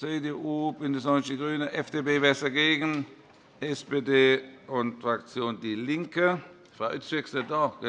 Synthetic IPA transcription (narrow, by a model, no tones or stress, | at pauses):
t͡seːdeːʔuːb̥ɪndəsɔnstiɡʁyːnəʔɛfd̥eːbeːvɛːɐsdɐɡeːɡn̩ | ʔɛspeːdeːʊntfʁak̚t͡sjoːndiːlɪŋkə | fʁaʊʔʏt͡sʋɪksdədɑɡ̥ə